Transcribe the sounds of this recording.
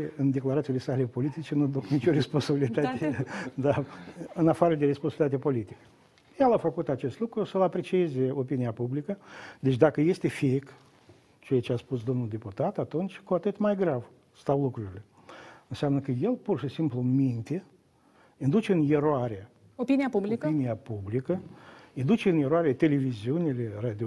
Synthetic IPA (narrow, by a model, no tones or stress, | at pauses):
eɨnd̪e̞klaɾat̪sile̞sale̞po̞lit̪it͡ʃe̞nud̪uknit͡ʃʲo̞ɾe̞spo̞nsabilit̪at̪ed̪aɨnafaɾəd̪eɾesponsbilit̪at̪epo̞lit̪ikə̥ | jelafəkut̪at͡ʃe̞st̪lukɾusəlapɾe̞t͡ʃiezeopiniapublikəd̪e̞t͡ʃd̪akəje̞st̪e̞fik | t͡ʃejat͡ʃeaspus̬d̪o̞mnuld̪e̞put̪at̪at̪unt͡ʃʲkuat̪ɨt̪majɡɾav | st̪awlukɾuɾile̞ | ɨnseamnəkəje̞lpurʃisimplumint̪e | ind̪ut͡ʃeɨnjeɾoaɾʲe | opiniapublikəinijapublikəind̪ut͡ʃeɨnjeɾoaɾʲat̪e̞le̞viziunilerad̪i